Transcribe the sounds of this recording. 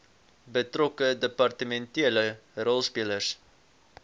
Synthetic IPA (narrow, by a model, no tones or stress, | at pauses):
bətrɔkədəpɐrtəmɛntiələɾɔlˠspiələrs